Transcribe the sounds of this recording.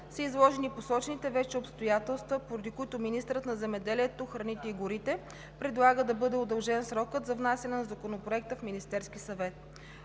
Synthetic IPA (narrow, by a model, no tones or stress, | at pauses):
səizlˠɔʒɛniposɔt͡ʃnit̪ɛvɛt͡ʃɛopst̪ojat̪ɛlˠst̪vəpoɾɐd̪ikʊit̪ominist̪ɾət̪nɐzɛmɛd̪ɛliɛt̪oxɾɐnit̪ɛiɡʊɾit̪ɛ | pɾɛd̪lˠaɡəd̪ɐbɤd̪ɛod̪ɐlˠʒɛnsɾɔkət̪zɐvnasʲɐnɛnɐzɐkonopɾoɛk̚t̪əfminist̪ɛɾsk̟ʲisɐvɛt̪